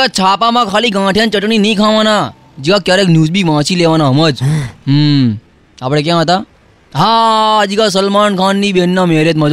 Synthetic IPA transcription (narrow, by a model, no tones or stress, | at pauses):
at͡ʃʰaːpamãkʰaːliɡãːʈʰjãːnt͡ʃəʈninəĩkʰãːʋãːna | d͡ʒikakjaːɾeːknjuːzbʱiʋãːt͡ʃileːʋãːnaɦɐməd͡ʒɦ | aːpɽek̬jãːt̪aː | ɦaːd͡ʒikas̬əlmaːnkʰãːnːĩːbeːnːameːɾeːt̪mɐd͡ʒ